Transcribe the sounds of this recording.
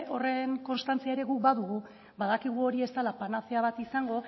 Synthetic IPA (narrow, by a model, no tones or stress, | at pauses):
o̞re̞ŋko̞nst̪ant͡siae̞ɾe̞ɣuk̚baðuɣu | baðakiɣ̞uo̞ɾie̞st̪alapanaθeaβ̞at̪isaŋɡo̞